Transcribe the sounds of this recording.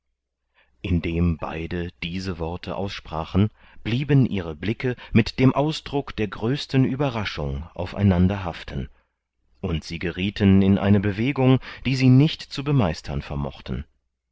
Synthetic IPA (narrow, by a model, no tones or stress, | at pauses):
ʔɪndeːmba̰ɪdəd̥iːzəvɔɐtʰəʔaʊsʃpʁ̥aːχən̩ | b̥liːbənʔiːʁəblɪkəmɪtd̥eːmʔaʊsd̥ʁʊkd̥eːɐɡʁøːstən̩ʔyːbɐʁaʃʊ̰ŋʔa̰ʊfa̰ɪnandɐɦaftən̩ | ʔʊntz̥iːɡəʁiːtʰənɪnʔa̰ɪnəbəveːɡʊŋd̥iːziːnɪçtt͡subəmaɪstʰɐ̰nfɛɐmɔ̰χtn̩